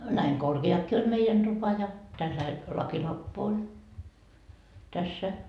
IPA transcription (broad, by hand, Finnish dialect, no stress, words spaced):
næiŋ korkeɑkːiː olʲ meijæn d̥upɑ jɑ tælːæil lɑkilɑmpːu olʲ tæsːæ